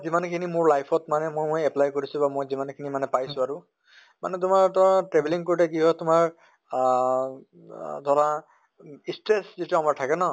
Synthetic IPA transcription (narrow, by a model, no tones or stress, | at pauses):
zimankʰinimʊɹlajpʰɔtmanɛmojmojɛplajkoɹisʊ̃bamojzimankʰinimanɛpajsʊ̃aɹʊ | ma̰nɛt̬ʊmaɹtɔãtɹebʱeliŋkoɹitɛk̬iɦɔtʊmaɹ | dʱaɹã | istɹeszetiamaɹtʰakɛnɔ